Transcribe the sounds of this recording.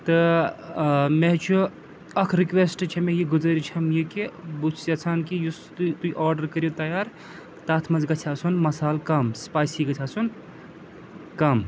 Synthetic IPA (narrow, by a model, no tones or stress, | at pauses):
t̪ɨ | meɦt͡ʃʰu | ɐkʰɾikʋesʈt͡ʃʰemejiɡuzɐɾit͡ʃʰɐmjikebut͡ʃʰsjɐt͡sʰaːnkijust̪t̪uʔaːɾɖəɾkəɾjot̪ɐjaːɾ | t̪aːt̪ʰmɐzɡɐt͡ʃʰasunmɐsaːlkɐmspaːjsiɡɐt͡ʃʰaːsun | kɐm